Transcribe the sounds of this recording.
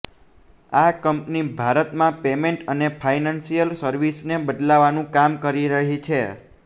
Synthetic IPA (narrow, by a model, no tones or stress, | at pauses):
akəmpnibʱaɾət̪mãpemeɳʈənepʰainansijəlsəɾʋisnebəd̪laʋːanũkamkəɾiɾəɦit͡ʃʰe